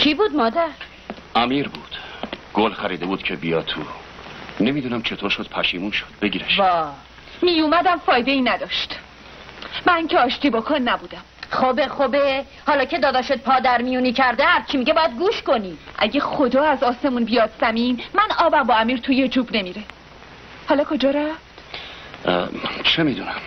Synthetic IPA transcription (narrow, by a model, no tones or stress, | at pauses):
t͡ʃʰibuːd̪mɒːd̪æɾ | ʔæmiːɾbuːd̪̥ɡ̥olxæɾiːd̪e̞buːd̪̥cʰebijɒ̰ːt̪t̪ʰːṵ | ne̞mid̪uːnæmt͡ʃʰe̞t̪ʰoɾʃod̪̥̚pʰæʃiːmuːnʃod̪̥̚beɡiːɾæʃvɒː | mijumæd̪æmfɒːjd̪eiːnæd̪ɒːʃt̪ | mæŋcʰeɒːʃt̪ʰiːbokʰonːæbuːd̪æmχobeχobe | hɒːlɒːcʰe̞d̪ɒːd̪ɒʃet̪̚pʰɒːd̪æɾmijunicʰæɾd̪ehæɾt͡ʃʰimiɟebɒːjæd̪̚ɡuːʃkoniʔæɟexod̪ɒːæzɒːse̞munbijɒːd̪zæmiːnmænɒːbæmbɒːæmiːɾt̪ʰujed͡ʒuːbne̞miɾe | hɒːlɒːkʰod͡ʒɒːɾæft̪ | t͡ʃʰemid̪unæm